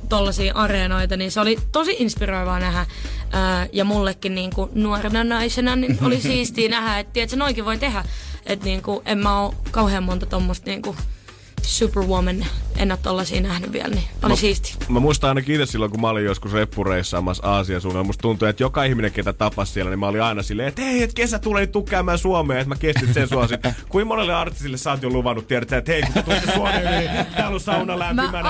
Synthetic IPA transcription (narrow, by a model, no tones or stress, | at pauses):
t̪olːɑsiːʔɑreːnoit̪ɑninseolit̪osiʔinspiroiʋɑːnæhæʔəːjɑmulːekːinniːŋkunuɑrenɑnɑisenɑninolisiːst̪iːnæhæet̪t̪iet̪senoikiʋoit̪ehæʔet̪niːŋkuʔemmæoːkɑuheːmmont̪ɑt̪omːost̪niːŋku | supərwomenʔḛnːæt̪t̪olːɑsḭːnæhnyʋʋḭæ̰lnio̰lsiːst̪i̥mæmuist̪ɑɑinɑkiit̪essilːoŋkumæɑolijjoskusrepːureisːɑ̰ːmɑsɑːsiɑsuːnelmust̪t̪unt̪uet̪jokɑihmineket̪æt̪ɑpːɑssiɛlænimæoliɑinɑsilːeːet̪eiet̪kesæt̪ulenit̪t̪ukːæːmæːsuomeːet̪mækest̪it̪sensuɑsinkuimmonelːeɑrt̪isilːessɑːt̪joluʋɑnːut̪t̪ːiɛɾæt̪ːæet̪eikut̪ːet̪usesuomeːniiːt̪æːolːussɑunɑlæmimæn